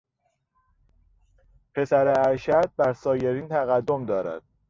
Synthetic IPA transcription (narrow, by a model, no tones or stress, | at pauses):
pʰe̞sæɾeæɾʃæd̪̚bæɾsɒːje̞ɾiːnt̪ʰæɣæd̪ːomd̪ɒːɾæ̰d̪̥